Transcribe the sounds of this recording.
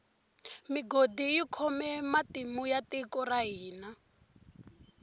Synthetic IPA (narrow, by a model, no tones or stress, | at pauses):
miɡodijikʰɔmɛmatimujatikɔraɦiːna